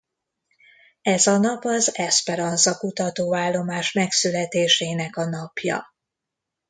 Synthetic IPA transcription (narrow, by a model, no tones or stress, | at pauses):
ɛzɒnɒpɒzɛspɛɾɒnzɒkut̪ɒt̪oːvaːlːo̞maːʃmɛksylɛt̪eːʃeːnɛkɒnɒpjɒ̰